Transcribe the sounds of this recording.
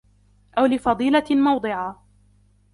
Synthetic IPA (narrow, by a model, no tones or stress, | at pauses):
ʔawlɪfɑd̪ˤiːlamɑwd̪ˤɨʕa